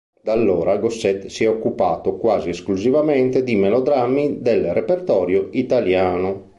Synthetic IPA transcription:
d̪alːoːɾʔaɡosːɛt̪siɛokːupa̰ːt̪okwaːzieskluzivamɛnt̪ed̪imelod̪ɾamːid̪elrepert̪ɔːɾjoit̪aljaːno

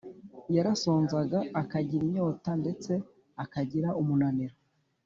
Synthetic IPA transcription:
jaɾaso̞ːnzaɡaːkaɟiɾiɲo̞ːtande̞t͡se̞ | akaɟiɾaʔumunaneɾo

